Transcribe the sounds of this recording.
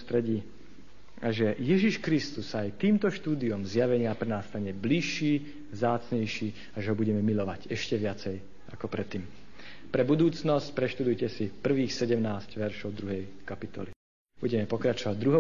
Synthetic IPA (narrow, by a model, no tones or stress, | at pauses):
st̪ɾɛɟiː | aʒɛjɛʒiʃkɾist̪usajt̪iːmt̪ɔʃt̪uːd̪iɔmzjaʋɛɲɪapɾɛnaːst̪aɲɪɛbliʃːiː | vzaːt͡sɲɛjʃiː | aʒɛɦɔbuɟɛmɛmilɔʋaɟɛʃcɛʋɪat͡sɛj | akɔpɾɛt̪ːiːm | pɾɛbud̪uːt͡snɔscpɾɛʃt̪ud̪ujcɛsipr̩ʋiːxsɛɟɛmnaːscʋɛɾʃɔʊd̪ɾuɦɛjkapit̪ɔ̰li | buɟɛmɛpɔkɾat͡ʃɔʋaɟ̚d̪ɾuɦɔ